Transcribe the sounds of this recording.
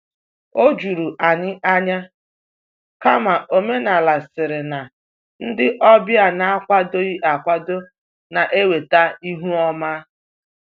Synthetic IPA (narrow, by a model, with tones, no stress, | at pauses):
o˦d͡ʒu˨ɾu˨ʔa˨ɲɪ˦ʔa˦ɲa˦ | ka˦ma˨ʔo˨me˦na˨la˨sɪ˨ɾɪ˨na˨ | n̩˦dɪ˦ʔɔ˦bja˨na˨a˦kʷa˦do˦i˦ʔa˨kʷa˦do˦ | na˨ʔe˦we˨ta˦i˦ɦu˦ɔ˦ma˦